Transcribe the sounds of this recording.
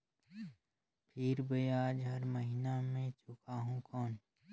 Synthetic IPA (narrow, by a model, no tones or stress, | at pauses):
pʰɪɾbəjaːd͡ʒɦɐɾməɦinamẽt͡ʃʊkaːɦũkɔːn